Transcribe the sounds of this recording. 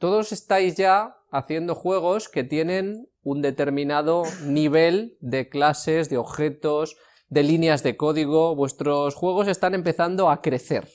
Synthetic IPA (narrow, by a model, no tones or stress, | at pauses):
t̪o̞ðo̞se̞st̪ajzʝa | aθje̞nd̪o̞xwe̞ɣ̞o̞ske̞t̪je̞nẽ̞n | und̪e̞t̪e̞ɾmĩnað̞o̞niβ̞e̞ld̪e̞klase̞zðeo̞βxe̞t̪oz | d̪e̞linjazðe̞ko̞ðiɣ̞o̞βwe̞st̪ɾo̞sxwe̞ɣ̞o̞se̞st̪anẽ̞mpe̞θand̪o̞akɾe̞θe̞̰ɾ